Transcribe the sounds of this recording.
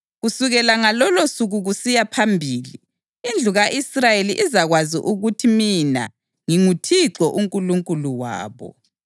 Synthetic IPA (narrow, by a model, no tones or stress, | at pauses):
ɣusuɣɛlaŋalɔlosuɣuɣusijapʰambʱiːliː | nd͡ɮʱuɣaʔisrajeliʔizaɣwaziʔuɣutʰimina̰ | ŋiŋutʰiǀɔʔuŋkʼuluŋkʼuluwa̰ːβɔ̰